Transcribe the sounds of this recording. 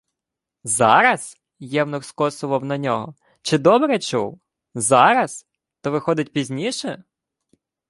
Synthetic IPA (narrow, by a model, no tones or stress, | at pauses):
zɑ̰ɾɐs | jɛwnʊrskɔsʊʋɐwnɐnʲɔɦɔ | t͡ʃɪd̪ɔbɾɛt͡ʃuw | zɑɾɐs | t̪ɔʋɪxɔd̪ɪt̚ʲpʲizʲnʲiʃɛ